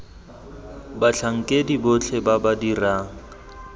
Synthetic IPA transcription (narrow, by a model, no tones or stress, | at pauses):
bat͡ɬʰaŋ̩kʼedibot͡ɬʰɛbabadiraːŋ̩